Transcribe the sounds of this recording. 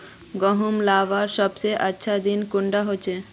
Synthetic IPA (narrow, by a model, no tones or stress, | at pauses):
ɡɔɦumlaʋaɾʃɔb̚t͡ɕejʔatːɕʰad̪inkuɳɖaɦoːt͡ɕʰe